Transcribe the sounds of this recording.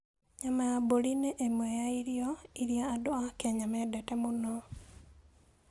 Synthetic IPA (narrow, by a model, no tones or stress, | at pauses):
ɲamajabolineʔːmwejaiɾjoiɾjaːdoakeɲamedetemuno